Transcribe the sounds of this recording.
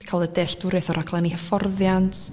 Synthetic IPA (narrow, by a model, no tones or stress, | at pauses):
kʰalˠədɛɬd̥ʊɾɛθɔɾʔaɡlˠanihəfɔrðjantʰ